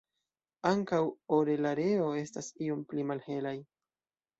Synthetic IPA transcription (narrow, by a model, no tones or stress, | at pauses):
aŋkawoɾe̞laɾe̞o̞e̞stasio̞mplimalhe̞laj